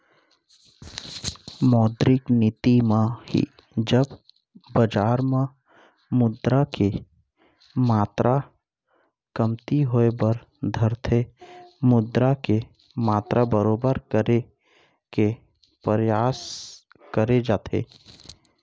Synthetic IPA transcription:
mɔːd̪ɾɪknɪt̪imãhḭ | d͡ʒəb | bəd͡ʒaːɾmã | mʊd̪ɾake | maːt̪ɾʔa | kəmt̪iɦoːebəɾ | d̪ʱəɾt̪ʰemʊd̪ɾake | maːt̪ɾʔabəɾoːbəɾkəɾe | ke | pɾəjaːs | kəɾed͡ʒaːt̪ʰḛː

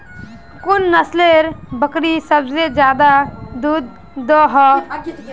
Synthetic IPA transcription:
kʊnːəsleɾbəkɾisəbsed͡ʒjaːd̪ad̪ud̪̚ː | ɔɦɔ

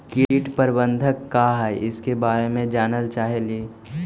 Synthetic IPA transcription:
kiʈpəɾbə̃nd̪ʱəkːaɦɛʔɪskebaːɾemẽd͡ʒaːnəlt͡ʃaːɦeleː

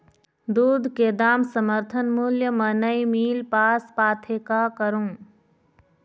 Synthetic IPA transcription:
d̪uːd̪ʱked̪aːmsəməɾt̪ʰənmuljəmənəimiːlpaːspaːt̪ʰekakəɾõː

